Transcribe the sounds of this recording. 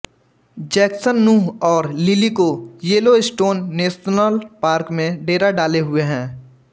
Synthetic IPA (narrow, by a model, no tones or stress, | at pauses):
d͡ʒɛːksənːũːɦɔːɾlɪlikojeːloɪsʈoːnːeːsnaːlpaːɾkmẽɖeːɾaɖaːleɦʊeɦɛ̃ː